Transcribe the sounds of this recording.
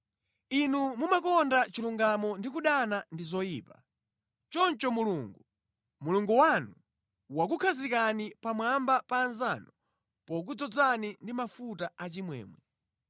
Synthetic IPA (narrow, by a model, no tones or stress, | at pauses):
inumumakɔndat͡ʃiluŋɡamɔndik̬uɗanandizɔjiːpa | t͡ʃɔnt͡ʃɔmuluŋɡu | muluŋɡuwanu | wak̬ukʰazikanipamwambapaːnzanɔ | pɔk̬ud͡zɔd͡zanindimafutaat͡ʃimwɛ̰ːmwɛ